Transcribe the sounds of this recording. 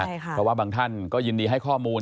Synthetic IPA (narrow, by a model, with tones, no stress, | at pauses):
ɛː˨˧˩waː˥˩baː˧ŋt̪ʰa˥˩nkɔː˥˩jɯː˧ndiː˧ɦa˥˩jkʰɔː˥˩muː˧